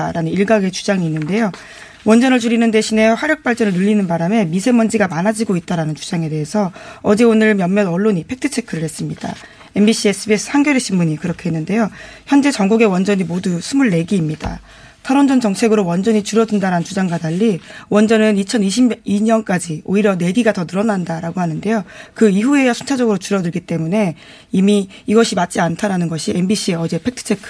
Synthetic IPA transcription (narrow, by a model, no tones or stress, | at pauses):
ɾanɯniɭɡaɡe̞t͡ɕu̥d͡ʑaŋiːnːɯnde̞jo | wʌnd͡ʑʌnɯɭt͡ɕuɾinɯnde̞ɕʰine̞ɸwaɾjʌk̚p͈aɭt͡ɕ͈ʌnɯɭnɯʎːinɯnbaɾame̞misʰe̞mʌnd͡ʑiɡamanad͡ʑiɡoit̚t͈aɾanɯnt͡ɕu̥d͡ʑaŋe̞de̞ɦe̞sʰʌʌd͡ʑe̞onɯɭmjʌmmjʌnʌɭːoɲipʰe̞k̚tʰɯt͡ɕʰe̞kʰɯɾɯɭhe̞s͈ɯmɲid̥a̰ | e̞mbiɕ͈ʰies͈ɯbies͈ʰɯ̥hʰaŋɡjʌɾeɕ͈ʰimːuɲikɯɾʌkʰe̞ɦenːɯnde̞joçjʌnd͡ʑe̞t͡ɕʌŋɡuɡe̞wʌnd͡ʑʌɲimodusʰumuɭːe̞ɡiːmɲida̰ | tʰaɾond͡ʑʌnt͡ɕʌŋt͡ɕʰe̞ɡɯɾowʌnd͡ʑʌɲit͡ɕuɾʌdundaɾanɯnt͡ɕud͡ʑaŋɡadaʎːiwʌnd͡ʑʌnɯnit͡ɕʰʌniɕ̬ʰiiɲʌnk͈ad͡ʑioiɾjʌne̞ɡiɡatʌnɯɾʌnandaɾaɡohanɯnde̞jokɯiɦue̞jʌsʰunt͡ɕʰad͡ʑʌɡɯɾot͡ɕuɾʌdɯɭɡit͈e̞mune̞ | imiː | ɡʌɕʰimat̚t͡ɕ͈iantʰaɾanɯnɡʌɕʰiembiɕ͈ʰieʌd͡ʑe̞pʰe̞k̚tʰɯ̥t͡ɕʰe̞kʰɯ̥